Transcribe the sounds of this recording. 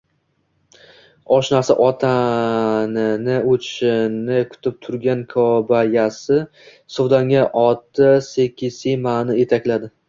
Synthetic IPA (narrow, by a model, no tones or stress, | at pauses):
ɒʃnaɾsa̰ʔɒt̪ʰa | nɪnɪotʰʃɪnɪkʰʊ̥t̪ʰɪp̚t̪ʰʊɾɡʲankʰɒbajasɪ | sowd̪aŋʲaʔɒt̪ʰːɪsekʲʰːɪsijmaːnɪjet̪ʰakʲlad̪ɪ